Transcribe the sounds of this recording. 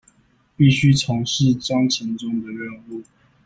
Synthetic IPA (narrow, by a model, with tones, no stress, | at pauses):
pi˥˨ɕy˦ʈ͡ʂʰɑ˨˥˦ŋʂɻ̩˥˨ʈ͡ʂwɑ˥ŋt͡ɕʰɛ˨˥˦nʈ͡ʂʊ˥ŋd̪ə˨ɻə˥˧nu˥˩˨